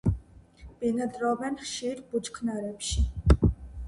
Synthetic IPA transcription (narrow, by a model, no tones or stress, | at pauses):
b̥inad̪ɾɔbɛnχʃiɾbud͡ʒkʰnaɾɛpʃi